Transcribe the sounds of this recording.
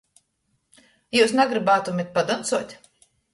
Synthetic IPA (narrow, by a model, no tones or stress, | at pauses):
juːsnaɡɾibaːt̪umit̪̚ʲpad̪ɔnt̪suɔt̪ʲ